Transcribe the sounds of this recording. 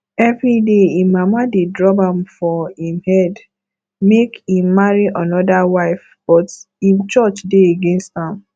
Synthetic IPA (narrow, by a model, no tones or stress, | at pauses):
ɛvɹideĩmamadedɹɔbãmfɔĩmhɛd | mekhĩmːaɹiʔanɔdawaɪf | b̥ɔt | ĩmt͡ʃɔt͡ʃdeeɡẽnstãm